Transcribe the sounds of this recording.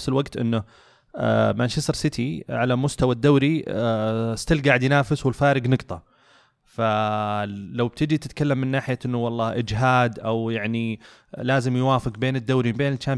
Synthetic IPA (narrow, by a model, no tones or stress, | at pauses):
fsɪlwaɡt̪ʔɪ̰nːʊ̰ | manʃɪsˤɑɾsɪt̪ʰiʕalamʊst̪awad̪ːaːɾi | st̪ɪlɡaːʕɪd̪jɪnaːfɪswɪlfaːɾɪɡnɨɡt̪ˤɑ | fa | lawb̚t̪ɪd͡ʒit̪ɪt̪kalːamːɪnːaːħɪjaʔɪnːʊwɑlˤːɑːʔɪd͡ʒɦaːd̪ʔawjaʕni | laːzɪmjwaːfɪqbeːnɪd̪ːaːɾimɪmbeːnɪlt͡ʃːaːm